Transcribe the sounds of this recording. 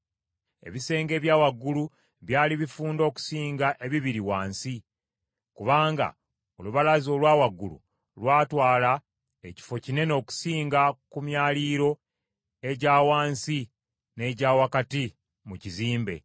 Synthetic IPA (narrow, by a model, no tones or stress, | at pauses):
e̞̰βise̞ːŋɡe̞ːβjaːwaɡːulu | βjaːliβifuːndo̞ːku̥siːŋɡaʔe̞βiβiɾiwaːnsi | kuβaːŋɡa̰ | oluβalazo̞lwaːwaɡːulṵ | lwaːtwaːla | eci̥fo̞cine̞no̞ːku̥siːŋɡakumjaːliːɾo̞ | e̞ɟaːwaːnsi | ne̞ɟaːwakati | muciziːmbe̞̰